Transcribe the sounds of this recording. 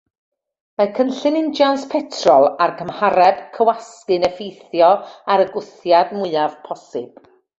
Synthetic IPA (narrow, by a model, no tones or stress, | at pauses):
makʰənɬɨnɪnd͡ʒjanspʰɛtʰrɔlˠarkʰəmhaɾɛb̥kʰəwaskɨnəfejθjɔaɾəɡʊθjadmʊɨav̥pʰɔsɨb̥